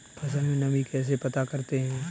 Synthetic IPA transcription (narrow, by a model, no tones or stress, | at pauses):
pɐs̬ə̃nmẽnɐbikɛːs̬epɐt̪akɐɾt̪eɦɛ̃ː